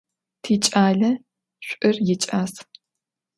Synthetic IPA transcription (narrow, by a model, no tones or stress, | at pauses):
tʰiːt͡ʃʼaːɮɐ | ɕʷʼʔɨrjɪt͡ʃʼaːs